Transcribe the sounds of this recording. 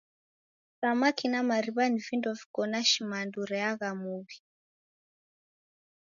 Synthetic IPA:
samakinamaɾiβanivindɔvi̥kɔnaʃimanduɾɛaɣamuβi

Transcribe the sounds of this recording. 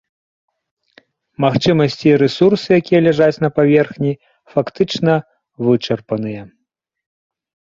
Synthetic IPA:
maxt͡ʂɨmɐsʲt͡sʲiɾɛsursɨjakʲijɐlʲaʐat͡sʲnɐpavʲɛrxnʲi | fakt̪ɨt͡ʂnɐ | vɨt͡ʂɐrpɐnɨjɐ

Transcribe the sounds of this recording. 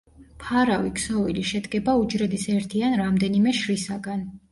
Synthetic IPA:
pʰaɾaviksɔviliʃɛd̪ɡɛbaud͡ʒɾɛd̪isɛɾt̪ʰianɾamd̪ɛnimɛʃɾisaɡan

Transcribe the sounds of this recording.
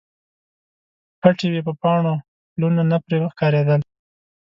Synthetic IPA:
paʈewepəpɑɳo | lunanapɾewəxkɑɾed̪əl

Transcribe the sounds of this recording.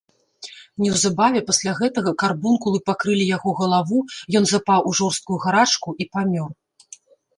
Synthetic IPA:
nʲɛwzabavʲɛpasʲlʲaɣɛt̪ɐɣɐkarbunkulˠɨpakɾɨlʲijaɣɔɣɐlˠavujɔnzapawʔuʐɔrst̪̚kujuɣaɾat͡ʂkuʔipamʲɔr

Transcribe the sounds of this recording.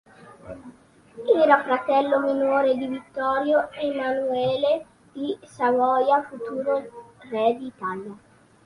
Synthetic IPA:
ɛːɾafɾat̪ɛlːominoːɾed̪ivit̪ːɔːɾjoemanuɛːle | d̪̥isavɔjafut̪uːɾorɛd̪it̪alja

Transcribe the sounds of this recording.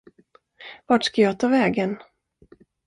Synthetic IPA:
vaʈʂkajɑːt̪ʰɑːvɛːɡən

